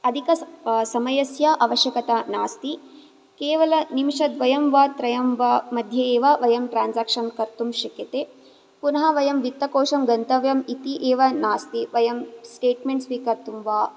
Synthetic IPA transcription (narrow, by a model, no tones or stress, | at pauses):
ɐd̪ʱikɐsɐmɐjɐsjaʔɐʋɐʃjɐkɐt̪anaːst̪i | keːʋɐlɐnimʂɐd̪ʋɐjɐmʋaːt̪ɾɐjɐmʋamɐd̪ʱjɐeːʋaʋɐjɐmʈɾaːnsaːkʂɐnkɐɾt̪umʃɐkjɐt̪eː | punɐɦɐʋɐjɐmʋit̪ːɐkoːʂɐmɡɐnt̪ɐʋjɐmit̪iʔeːʋɐnaːst̪iʋɐjɐmsʈeːʈmeɳʈsʋiːkɐɾt̪umʋaː